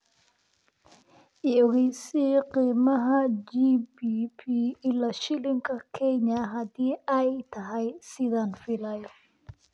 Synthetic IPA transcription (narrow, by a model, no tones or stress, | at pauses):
ɛɔɣɛjsiqiːmɐɦɐd͡ʒibipʰiɪlɐʃɪlɪŋkʰɐkʰɛɲɐɦɐd̪iːɐjt̪ʰɐɦɛjsɪðanfɪlɐjɔ